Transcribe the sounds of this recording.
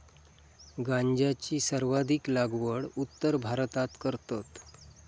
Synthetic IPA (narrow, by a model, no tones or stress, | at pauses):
ɡãɲd͡ʑat͡ɕiːsəɾʋad̪ʱiklaɡʋəɽut̪ːəɾbʱaɾt̪at̪kəɾt̪at̪